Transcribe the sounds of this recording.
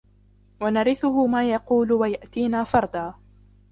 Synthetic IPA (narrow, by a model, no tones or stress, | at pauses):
wanɑɾɪθʊɦʊmaːjɑquːlʊwajaʔt̪iːnaːfɑɾˤd̪ɑː